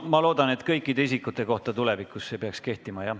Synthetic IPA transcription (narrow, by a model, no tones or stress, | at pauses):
mɑlo̞ːd̪̥ɑne̞t̪kɤjkːˑid̪e̞isikːˑut̪ːˑe̞ko̞ht̪ɑt̪ule̞vikːˑusːe̞peɑkske̞ht̪imɑjɑ